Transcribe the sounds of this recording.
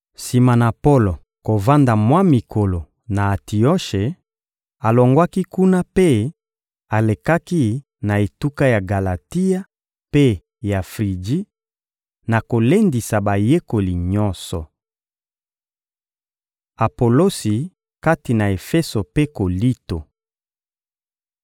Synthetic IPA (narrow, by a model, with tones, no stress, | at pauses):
si˨ma˨na˨po˦lo˨ | ko˨va˦nda˨mwa˦mi˨kʰo˨lo˨ | na˨a˨ti˨o˦ʃe˨ | a˨lo˨ŋɡwa˦ki˦ku˦na˦pe˦ | a˨le˨ka˦ki˦ | na˨e˨tu˦ka˦ja˨ɡa˨la˨ti˦a˦ | pe˦ | ja˨fʁi˨d͡ʒi˦ | na˨ko˨le˦ndi˨sa˨ba˨je˦ko˨li˨ɲɔ̃˦nsɔ˨ | a˨po˨lo˦si˨ | ka˦ti˨na˨e˨fe˦so˨pe˦ko˨li˦to˨